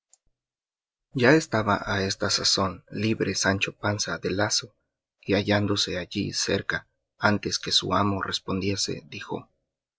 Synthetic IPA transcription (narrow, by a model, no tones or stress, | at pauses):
ɟ͡ʝae̞st̪aβa̰ʔae̞st̪asaso̞nliβɾesant͡ʃo̞pansaðe̞laso̞ | iaʝand̪o̞se̞aʝḭse̞̰ɾka | ant̪e̞ske̞sṵamo̞re̞spo̞nd̪je̞se̞̰ðixo̞̰